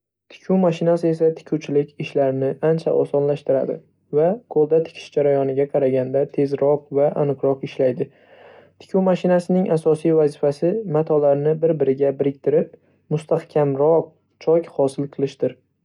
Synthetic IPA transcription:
t̪ʰɪ̥kʲʰumaʃɪnasɪe̞s̬at̪ʰɪ̥kʲʰuwt͡ʃʰɪlɪkʲɪʃlaɾɪnɪʔant͡ʃʰa̰ʔɒ̰sɒnlaʃt̪ɪɾa̰d̪ɪ̰ | vaqʰolˠd̪at̪ʰɪ̥kʲʰɪ̥ʃd͡ʒaɾajɒnɪɡʲaqʰɑɾaɡʲand̪at̪ʰe̞zɾɒqvaʔa̰nɨqɾɒqɪʃlajd̪ɪ | t̪ʰɪ̥kʰʲuwmaʃɪnasɪnɪŋʔasɒsijvazɪfasɪmat̪ʰɒlaɾnɪbɪɾbɪɾɪɡʲabɪɾɪk̚ʲt̪ʰɪɾɪp̚ | mʊst̪ʰahkʲʰamɾɒq̚ | t͡ʃʰɒkʲhɒsɪlˠqʰɨlˠɪʃd̪ɪɾ

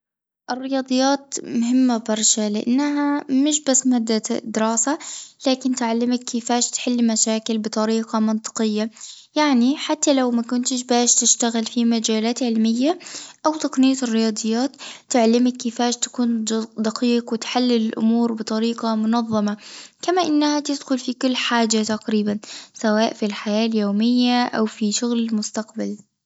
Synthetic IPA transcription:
ʔɪrːɪjɑːd̪ˤɨjːaːt̪mʊɦɪmːabɑɾˤʃalɪʔa̰nːɦamɪʃ̬basːmhad̪ːad̪ɪɾɑːsalaːkɪnt̪ʕalːɪmakːɪfaːʃt̪ħɪlːmaʃaːkɪlbɨt̪ˤɑɾiːqɑmɪnt̪ˤɨ̥qɪjːa | jaʕniħat̪ːalawmakʊnt̪ɪʃ̬baːʃt̪ɪʃt̪aɣɪlfimad͡ʒaːlaːt̪ʕɪlmɪjːaʔawt̪aqnɪjːaɪrːɪjɑːd̪ˤɨjːaːt̪ːɪʕalɪmɪkːɪfaːʃt̪ḁkuːnd̪aqiːqwɪt̪ħalːɪlɪlʔʊ̰muːɾbɨt̪ˤɑɾiːqɑmʊnɑðˤːɑmakamaʔɪnːahat̪ɪd̪xʊlfikʊlːħaːd͡ʒat̪aqɾiːbansawaːʔfilħajaːljoːmɪjːaʔawfiʃʊɣlɪlmʊst̪aqbal

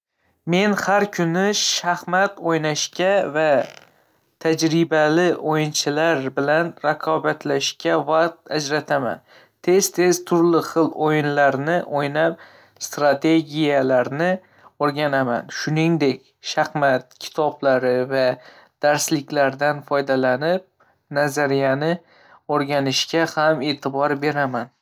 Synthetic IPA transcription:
me̞nhaɾkʲʰʊnɪʃahmat̪ojnaʃkʲava | t̪ʰad͡ʒɾɪbalɪʔojɪnt͡ʃʰɪlaɾbɪlanɾaqʰɒbat̪ʰlaʃkʲʰavaqt̪ad͡ʒɾat̪ʰama̰n | t̪ʰe̞zt̪ʰe̞z̥t̪ʰʊɾlɪχɨlˠojɪnlaɾnɪʔojnap̚ | st̪ɾat̪ʰe̞ɡʲijalaɾnɪ | oɾɡʲanama̰nʃʊnɪŋd̪e̞kʲ | ʃaχmat̪̚kʲʰɪ̥t̪ʰɒblaɾɪva | d̪̥aɾslɪkʲlaɾd̪anfɒjd̪alanɪp̚ | nazaɾijanɪ | oɾɡʲanɪʃkʲahame̞t̪ʰɪbɒɾbe̞ɾaman

